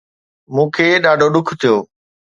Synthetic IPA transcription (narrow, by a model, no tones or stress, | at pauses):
mũːkʰeːɗaːɖʱoɗʊkʰt̪ʰijoː